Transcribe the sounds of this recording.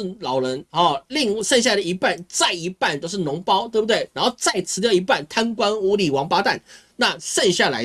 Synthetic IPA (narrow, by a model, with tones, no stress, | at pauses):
lɑ˨˩ʊlɻə˧˦˥nɔ˨˩li˥˧ŋʂə˥˧ŋɕ̬ja˥˩˨d̪ə˩i˧˥pa˥˩nt͡sa˥˩ɪi˧˥pa˥˩nt̪o˥ʊʂɻ̩˥˩nʊ˧˥ŋpɑ˥ʊt̪we˥˩bu˧˩t̪we˥˩ɪna˧˥nxo˥˧ʊt͡sa˥˩ɪt͡sʰɹ̩˧˥t̪jʊi˧˥pa˥˩nt̪ʰa˥nkwa˥nu˧˥li˨˩wɑ˧˥ŋpa˥t̪a˥˩n | na˥˨ʂə˥˧ŋɕja˥˩la˧˥ɪ